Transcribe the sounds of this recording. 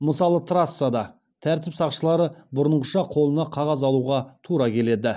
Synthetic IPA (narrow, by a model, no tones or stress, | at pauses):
məsɑlˠət̪ʰɾasːad̪ɑ | t̪ʰæɾt̪ɪpsɑqʃəlˠɑɾəbʊɾənʁəʃɑqʰo̞lˠənɑqʰɑʁɑzɑlˠuʁɑt̪ʰuɾɑkʲʰe̞le̞d̪ɪ